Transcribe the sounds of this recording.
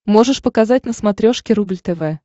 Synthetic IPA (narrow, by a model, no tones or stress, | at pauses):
mo̞ʐɨʂpəkɐzatʲnəsmɐt̪ɾʲo̞ʂkʲɪɾublʲt̪ɛvɛ